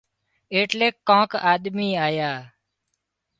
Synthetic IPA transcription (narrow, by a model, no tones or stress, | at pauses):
eːʈleːkːãːkaːɗ̪miːaːjaː